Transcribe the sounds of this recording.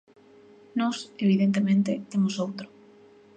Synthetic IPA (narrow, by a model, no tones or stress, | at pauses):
nɔseβ̞iðent̪emẽnt̪et̪emosowt̪ɾʊ